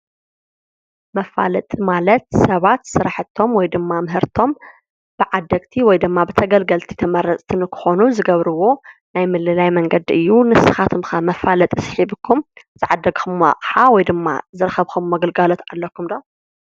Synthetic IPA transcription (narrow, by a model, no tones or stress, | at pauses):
mɐfa̰lɐt̪ʼmalɐt̪sɐβat̪sɨɾaħɨt̪ʰːo̞mwɔjd̪ɨmːamɨɦɨɾt̪ʰo̞m | b̥ɨʕad̪ːɐɡt̪ʰiwɔjd̪ɨmːabɨt̪ʰɐɡɐlɡɐlt̪ʰi̥t̪ʰɐmɐɾɐt͡sʼt̪ʰɨnkʰɨ̥xo̞nuzɨɡɐβɾɨwo̞najmɨlɨlajmɐŋɡɐd̪iʔɨjːunɨsɨxat̪ʰɨmxɐmɐfalɐt̪ʼsħiβɨkʰːum | z̥ɨʕad̪ːɐɡxɨmːa̰qʼħawɔjd̪ɨmːa̰zɨɾɐxɐβxumːɐɡɐlɡalo̞t̪alːɐkʰːumd̪o